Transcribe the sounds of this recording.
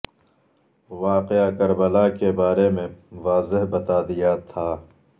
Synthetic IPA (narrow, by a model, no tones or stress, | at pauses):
ʋaːqeakɐɾbəlaːkebaːɾemẽʋaːzɪɦbɐt̪aːd̪ijat̪ʰaː